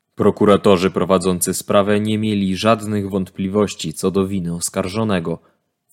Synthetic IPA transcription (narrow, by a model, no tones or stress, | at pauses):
pɾɔkuɾat̪ɔʐɘpɾɔvad̪zɔnt̪sɘspɾavɛɲɛmʲjelʲiʐad̪nɘɣvɔnt̪plʲivɔɕt͡ɕit̪sɔd̪ɔvʲinɘɔskaɾʐɔnɛɡɔ